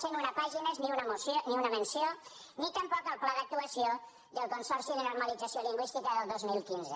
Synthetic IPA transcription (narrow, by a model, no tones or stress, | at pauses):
senunəpaʒinəzniunəmusoniunəmənsio | nit̪əmpɔkəlˠplaðək̚t̪uəsio | ðəlˠkunsɔrsiðənuɾməlid͡zəsioliŋɡwist̪ikəðəlˠd̪ozmilˠkinzə